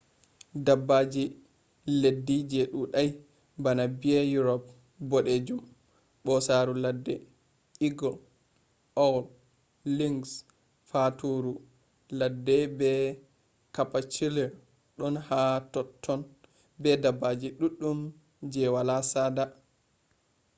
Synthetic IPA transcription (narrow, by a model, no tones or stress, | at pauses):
dabːad͡ʒi | ledːid͡ʒɛɗuɗaj | banabiajuɾɔp̚ | bɔɗed͡ʒum | ɓɔsaːɾuladːɛ | iɡɔl | ʔɔwl | liŋɡs | fatuɾu | ladːɛbɛ | kapat͡ʃilɛɾ | ɗɔnhatɔtʰːɔn | bɛdabːad͡ʒiɗuɗːum | d͡ʒɛwalasada